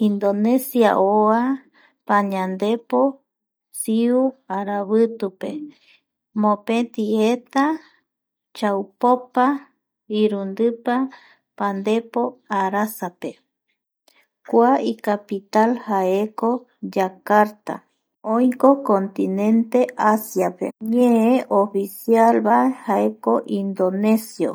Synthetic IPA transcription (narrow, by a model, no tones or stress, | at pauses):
ind̪onesja̰ʔoa | paɲãnd̪e̞po | siuaɾaβɨt̪upḛ | mõpẽt̪iet̪a | t͡ʃawpopa | iɾund̪ɨpa | pand̪e̞po̞aɾasape | kʷaikapit̪alhaeko | d͡ʒakaɾt̪a̰ | õjkokont̪inẽ̞nt̪e̞ʔasjapḛɲẽeʔofisjalβaehaekoʔind̪one̞sjo̰